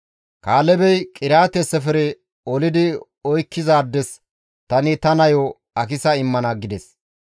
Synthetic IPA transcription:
kaːlɛbɛjkʼɪɾaːt̪ɛsɛfɛɾɛ | ɔlɪd̪ɪ | ɔjkːɪzaːd̪ːɛs | t̪ɐnɪt̪ɐnɐjɔ | ɐkɪsɐɪmːɐnɐɡɪd̪ɛs

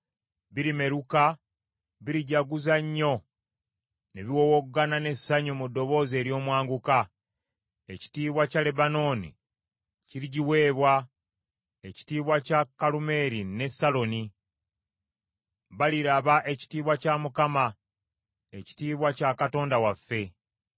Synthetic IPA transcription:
βiɾime̞ɾuka | βiɾiɟaɡuzaɲːo̞ | neβiwoːwokuɡanane̞saɲomudːo̞βo̞ːze̞ːɾjo̞ːmwaːŋɡuka | e̞ci̥tiːβwacale̞bano̞ːnḭ | ciɾiɟiwe̞ːβwa | eci̥tiːβwacakːalume̞ɾine̞salo̞ni | βaliɾaβaʔe̞ci̥tiːβwacamukama | e̞ci̥tiːβwacakato̞ːndawafːe̞

